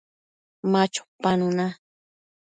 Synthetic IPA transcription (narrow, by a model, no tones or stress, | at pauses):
mat͡ʃʊ̥panʊna